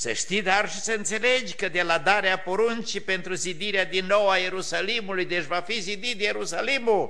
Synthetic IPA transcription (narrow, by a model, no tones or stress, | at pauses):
sə̰ʃt̪id̪arʃisəɨnt̪se̞le̞d͡ʒʲkəd̪e̞lad̪aɾeapo̞ɾunt͡ʃipe̞nt̪ɾuzid̪iɾead̪inːo̞waje̞ɾusalimulujd̪et͡ʃʲvafizid̪it̪je̞ɾusalimul